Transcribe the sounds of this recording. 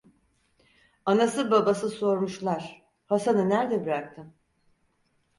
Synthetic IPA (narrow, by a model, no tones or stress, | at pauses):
anasɯbabasɯso̞ɾmuʃlˠaɾ̥ | hasanɯnæɾd̪ɛbiɾak̚t̪ʰɯ